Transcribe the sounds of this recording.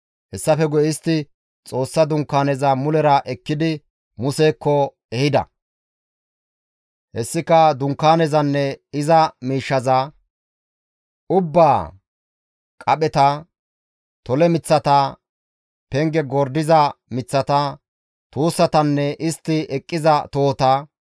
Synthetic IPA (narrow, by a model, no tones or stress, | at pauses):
hɛsːɐfɛɡɔjɪst̪ːɪ | t͡sʼo̞ːsːɐd̪ʊŋkːaːnɛzɐmʊlɛɾɐʔɛkːɪd̪ɪ | mʊseːkːɔ | ɛhɪd̪ɐ̰ | hɛsːɪkɐd̪ʊŋkːaːnɛzɐnːɛɪzɐmiːʃːɐzɐ | ʊbːaː | kʼɐɓɛt̪ɐ | t̪ɔlɛmɪt͡sːɐt̪ɐ | pɛŋɡɛɡɔɾd̪ɪzɐmɪt͡sːɐt̪ɐ | t̪uːsːɐt̪ɐnːɛʔɪst̪ːɪɛkʼːɪzɐt̪oːt̪ɐ